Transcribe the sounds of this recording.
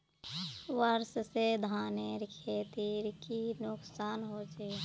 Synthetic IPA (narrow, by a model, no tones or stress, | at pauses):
wəɾssed̪ʱaːneɾkʰeːt̪iɾkinʊksaːnɦoːt͡ʃeː